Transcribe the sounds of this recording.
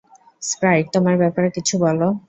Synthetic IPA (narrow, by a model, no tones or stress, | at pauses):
spɾajʈ̚t̪omaɾbɛpaɾekit͡ɕʰubɔlo